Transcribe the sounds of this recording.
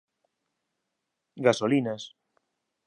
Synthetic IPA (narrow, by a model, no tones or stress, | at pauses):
ɡasolinas